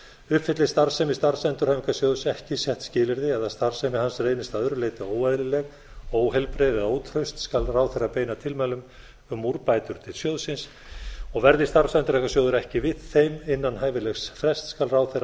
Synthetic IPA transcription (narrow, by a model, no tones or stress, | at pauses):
ʏhpfɪt̪lɪst̪aɾsɛmɪst̪aɾsɛnt̪ʏɾ̥hajmikasjoːwðʏsɛhcɪsjɛht̪scɪːlɪɾðɪaðθast̪aɾ̥sɛmɪhansreːjnɪst̪aðœɾʏleːjt̪aoːwɛðlɪlɛɣ | oːwhɛlpɾeːðɛoːwt̪ʰɾœɥst̪skalraːwθɛrapeːjnat̪ʰɪlmɛlʏm | ʏmːuɾpajt̪ʏɾ̥t̪ʰɪlsjoːðsɪns | ɔɣvɛɾðɪst̪aɾsɛnt̪ɾɛkasjoːwðʏɾɛhcɪvɪðθejmɪnːanɦaːjvɪlɛxsfɾɛst̪skalraːwθera